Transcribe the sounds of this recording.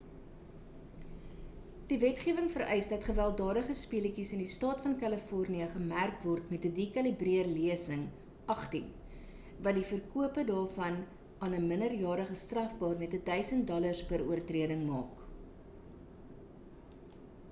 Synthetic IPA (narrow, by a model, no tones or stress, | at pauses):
d̥ivɛtχiəvəŋfəɾʔɛjsdɐtχəvælˠdɑːdəχəspiələkisəndistɑːtfɐnkɐləfɔrniəχəmærkvɔrtmɛtədiːkɐlibriərliəsəŋ | ʔɐχtin | vɐtdifərkuəpədɑːrfɐn | ɑːnəmənərjɑːɾəχəstrɐfbɑːrmɛtədœɥsənt̚dɔlərspəɾuərtriədəŋmɑːk